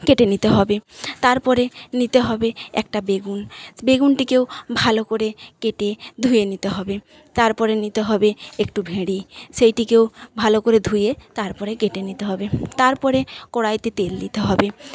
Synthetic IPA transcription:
keʈenit̪eɦɔbet̪aɾpɔɾenit̪eɦɔbeɛ̰kʈabeɡunbeɡunʈikewbʱalokoɾekeʈed̪ʱujenit̪eɦɔbe | t̪aɾpɔɾenit̪eɦɔbeekʈubʱeɽiʃejʈikewbʱalokoɾed̪ʱujet̪aɾpɔɾekeʈenit̪eɦɔbet̪aɾpɔɾekɔɽajt̪it̪elːit̪eɦɔbe

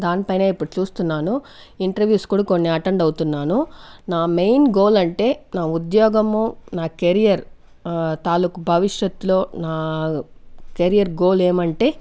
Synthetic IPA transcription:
d̪aːnipɐjneːipːuɽut͡ʃuːst̪unːaːnu | iɳʈɐɾʋjuːskuːɽako̞nːiɐʈɐɳɖɐwt̪unːaːnunaːmejnɡo̞ːlɐɳʈe̞ːnaːud̪jɔːɡɐmunaːkeɾijɐɾ | t̪aːlukubʱɐʋiʂjɐt̪ːulo̞ːnaː | keɾijɐɾɡo̞ːle̞ːmɐɳʈe̞ː

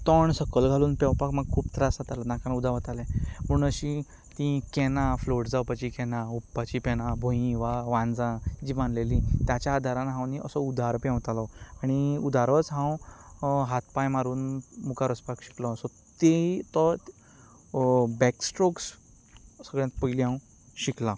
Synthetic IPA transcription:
t̪ɔɳsəkəlɡʱaluːnpɛ̃wpakmaɡ̚kʰːuːpt̪ɾasat̪alanãkãnud̪ʱaʋət̪alɛ̃m̤əɽũnəɕĩ | t̪ĩkɛnãfloʈd͡zawpat͡ɕikɛnãupːat͡ɕipɛnabʱõĩʋaʋãnd͡zãd͡ʑiːmaɳlelĩt̪jat͡ɕjaːd̪ʱaɾanaɦãwniəsɔud̪ʱaɾpɛ̃wt̪alɔaɽ̃iud̪aɾət͡sɦãw | ɦat̪̚ʰpajmaɾuːnmukaɾəspakɕi̥klɔsɔ | t̪et̪ɔ | bɛksʈɾoks | səɡɭjãt̪̚pəjliɦãw | ɕiklã

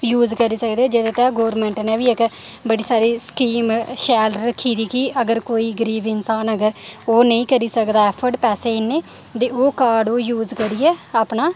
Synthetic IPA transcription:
juːzkəɾiːsəkd̪eɛːd͡ʒeːd̪eːt̪ɛ̃ːɡoːɾmɛ̃ːɳʈnɛːʋiːɪk | bəɽiːsaːɾiːsə̥kiːmʃɛːləɾəkʰiːd̪iːkiʔəɡəɾkoːiːɡəɾiːbɪnsaːnəɡəɾoːnə̃ĩːkəɾiːsəkd̪aːɛːpʰəɾɖpɛːseːɪnːeː | t̪eːoːkaːɾɖoːjuːzkəɾiːɛːaːpnaː

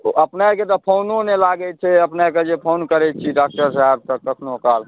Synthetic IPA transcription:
əpnaket̪ɔpʰononelaɡɛt͡ʃʰɛəpnaked͡ʒepʰonkəɾɛt̪̚t͡ʃʰiɖak̚ʈəɾsaɦeb̚t̪əkːəkʰnokal

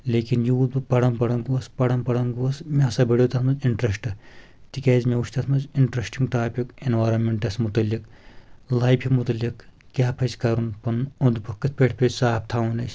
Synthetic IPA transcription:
leːkinjud̪upɐɽɐnpɐɽɐŋɡuɐspɐɽɐnpɐɽɐŋɡuɐsmeɐsɐbɐɽjot̪ɐt̪ʰmɐziɳʈɾɐsʈɨ | t̪ikʲɛːzmeuʃʲt̪ʰɐt̪ʰmɐziɳʈɾɐsʈiŋɡʈaːpʲikenʋaːɾɐnmeɳʈɐsmut̪ɐlːik | laːjbʰʱʲimut̪ɐlʲːik | kːʲaːpʰɐt͡ʃʲkɐɾunpɐnund̪pɨkɨt̪̚ʰpʲeʈʰpʰʲet͡ʃʲsaːp̚t̪ʰaːunɐsʲ

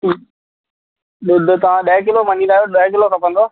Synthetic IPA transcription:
ɗɪd̪t̪ɐʋ̤ãɗəɦk̬ɪlomɐnilaːjoɗə̃k̬ɪlokɐpə̃nd̪oː

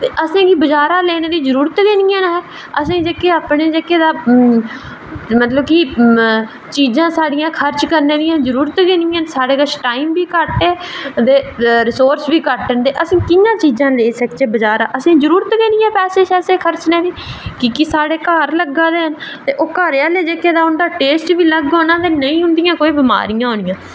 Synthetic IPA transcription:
t̪eːʔəsẽːkibəd͡ʒaːɾãːleːneːd̪iːzəɾuːɾət̪ɡeːniːãːnɦɛː | əsẽːd͡ʒekeːaːpɳeːd͡ʒekeːd̪aː | mət̪ləbki | t͡ʃiːzãːsaːɽɪjãːkʰəɾt͡ʃkəɾneːd̪ijãːzəɾuːɾət̪ɡeːniːãːnsaːɽeːkət͡ʃʈaːiːmbiːkəɾʈeːd̪eːɾɪsoːɾsbiːkəɾʈənd̪eːʔəsĩːkɪjãːt͡ʃiːzãːleːsəkt͡ʃeːbəd͡ʒaːɾaːʔəsĩːzəɾuːɾət̪ɡeːniːãːpɛːseːʃɛːseːkʰəɾt͡ʃneːd̪iːkɪkɪsaːɽeːkaːɾləɡaːd̪eːɦənt̪eːʔoːkəɾaːleːd͡ʒeːkeːd̪aːʊɳɖaːʈeːsʈbiːləɡoːnãːt̪eːnəĩːɦʊnd̪ijãːkoːiːbɪma̰ːɾɪjãːɦõːnɪjãː

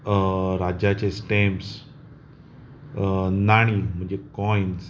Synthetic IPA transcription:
ɾad͡ʑat͡ɕesʈems | naɽ̃im̤əɳd͡ʑekɔjns

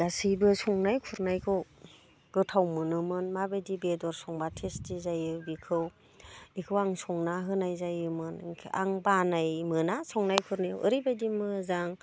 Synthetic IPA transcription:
ɡasɯjbɯsɔŋnajkʰuɾnajkʰɯw | ɡ̥ɯtʰawmɯnɯmɯnmabedibedɔɾsɔŋbatʰestizajɯbikʰɯw | ikʰɯwaŋsɔŋnaɦɯnajzajɯmɯnʰa̰ŋbanajmɯnasɔŋnajkʰuɾnajawʔɯɾibadimɯzaŋ

